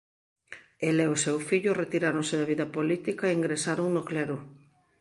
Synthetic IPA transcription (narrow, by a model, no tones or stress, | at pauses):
elɛʊsewfiʎʊret̪iɾaɾoŋseðɐβiðɐpolit̪ikaeiŋɡɾesaɾoŋnoklɛɾʊ